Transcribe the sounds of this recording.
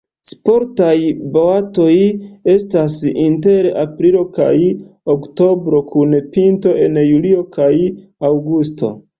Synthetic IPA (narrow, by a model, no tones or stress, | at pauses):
spo̞ɾtajboato̞je̞stasinte̞ɾeʔapɾilo̞ka̰jokto̞bɾo̞kʰunpinto̞ʔe̞njulio̞kʰajawɡusto̞̰